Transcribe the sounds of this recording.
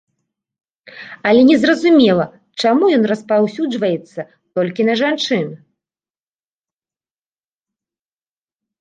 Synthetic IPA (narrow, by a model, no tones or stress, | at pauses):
ɐlʲɛnʲɛzrɐzumʲɛlˠɐ | t͡ʂamujɔn̪rɐspawsʲud͡ʐvɐjɛt̪sːɐ | t̪ɔlʲkʲinɐʐant͡ʂɨn